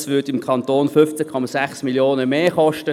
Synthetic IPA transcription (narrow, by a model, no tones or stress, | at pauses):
sʋʏɐdɪmkʰɑntoːnfʏft͡sɛkʰɔmasæχsmiljoːnəmeːχɔʃtə